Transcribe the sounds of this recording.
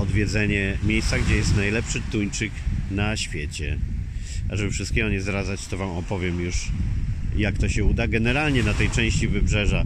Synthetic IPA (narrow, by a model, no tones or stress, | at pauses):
ɔd̪vʲjɛd̪zɛɲɛmʲjejssaɡd͡ʑɛjɛst̪najlɛpʂɘt̪uɲt͡ʂɘknaɕfʲjet͡ɕɛ̰ | ʔaʐɛbɘfʂɨst̪̚kʲɛɡɔɲɛzɾazat͡ɕt̪ɔvamɔpɔvʲjɛmjuʂ | jak̚t̪ɔɕɛud̪aɡɛnɛɾalɲɛnat̪ɛjt͡ʂɛ̃w̃ɕt͡ɕivɘbʐɛʐa